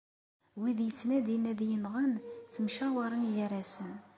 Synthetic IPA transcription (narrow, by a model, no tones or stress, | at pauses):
wiðjət͡sːnæd̪inæðjənʁənt͡sːəmʃæwɑɾˤənjəɾæsən